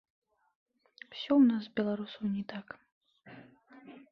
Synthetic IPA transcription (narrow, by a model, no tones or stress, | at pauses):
wsʲɔwnaszbʲɛlˠaɾusɐwnʲɛt̪ak